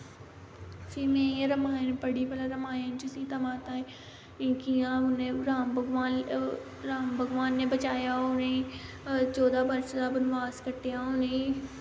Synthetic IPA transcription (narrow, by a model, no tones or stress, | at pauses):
simẽeɾəmaːnpəɽipəlaɾəmaːjẽnt͡ʃɪsit̪ɐmaːt̪ãːẽ | ĩkijãʊnẽɾaːmbəɡʋaːn | ɾaːmbʱəɡʋaːnːẽbət͡ʃaːjaʊnẽ | t͡ʃɔːd̪aːbɐɾsd̪abənʋaːzkəɾʈ̪ejãʊnẽ